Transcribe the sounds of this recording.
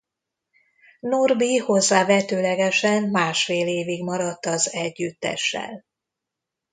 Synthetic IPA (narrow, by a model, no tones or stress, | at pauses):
norbiho̞zːaːvɛt̪øːlɛɡɛʃɛnmaːʃfeːleːviɡmɒɾɒt̪ːɒzɛɟːyt̪ːɛ̰ʃːɛ̰l